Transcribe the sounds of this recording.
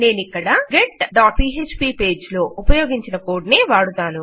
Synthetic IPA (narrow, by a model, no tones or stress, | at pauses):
ne̞ːnikːɐɽaɡeʈɖaːʈpiːɦet͡ʃpiːpe̞ːd͡ʒlo̞ːupɐjo̞ːɡiɲt͡ʃinɐkoːɖneːʋaːɽut̪aːnu